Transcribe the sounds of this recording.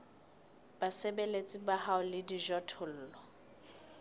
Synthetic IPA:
b̥asebelet͡sʼɪbahaʊlɪdiʒɔtʰʊl̩ːlɔ

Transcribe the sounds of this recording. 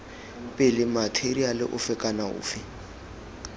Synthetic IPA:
pʼɪlɪmatʰerialɪ̰ʔʊfɪkʼanaʊ̰ːfɪ

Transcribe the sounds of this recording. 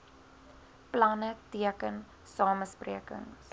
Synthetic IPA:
plɐnətiəkən | sɑːməspriəkə̰ŋ

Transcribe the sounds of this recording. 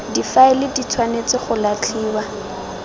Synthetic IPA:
difaɪlɪdit͡sʰwanet͡sɪχʊlat͡ɬʰiːwa

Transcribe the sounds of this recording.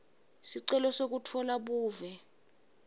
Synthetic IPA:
siǀɛlɔsok̬utʰɔlaɓuːvɛ

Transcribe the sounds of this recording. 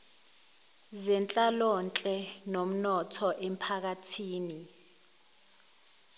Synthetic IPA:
zɛnt͡ɬʼalɔnt͡ɬʼɛnom̩nɔtʰɔʔem̩pʰak̬atʰiːni

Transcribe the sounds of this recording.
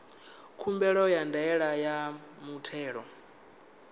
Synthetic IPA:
kʰumbɛɺɔjandaɛɺajamutʰɛːɺɔ

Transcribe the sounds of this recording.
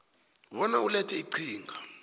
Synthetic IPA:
βɔnaulɛtʰɛiǀiːŋɡʱa

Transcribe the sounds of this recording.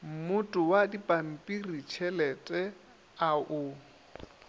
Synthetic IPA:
m̩mʊtʼʊwadipʼam̩pʼirit͡ʃʰɛlɛtʼɛ | aʔʊ

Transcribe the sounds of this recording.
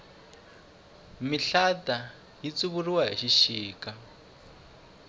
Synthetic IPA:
miɬata | jit͡suβuriwaɦḭʃiʃiːka

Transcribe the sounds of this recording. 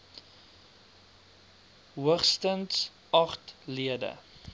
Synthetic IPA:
ɦuəχstənts | ɐχtliədə̰

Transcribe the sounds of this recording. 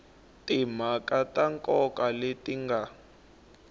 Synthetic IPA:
tʼim̤akʼatʼaŋkʼɔkʼaletʼiŋɡʱa

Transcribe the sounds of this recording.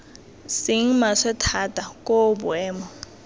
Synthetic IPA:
sɪŋ̩masɛtʰatʼakʼobwɛːmɔ

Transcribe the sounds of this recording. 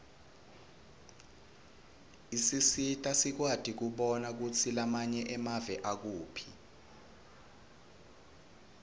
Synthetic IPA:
isisitʼasik̬wad̥ʱik̬uɓɔnak̬ut͡sʰilamaɲɛʔɛmavɛʔak̬uːpʰi

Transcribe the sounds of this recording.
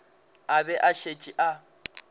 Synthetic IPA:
abɛʔaɬet͡ʃʼiʔa

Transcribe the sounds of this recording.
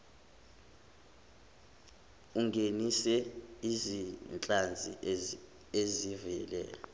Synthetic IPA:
uŋɡʱenisɛizint͡ɬʼand͡zʱḭ | ezivɛlɛ̰ː

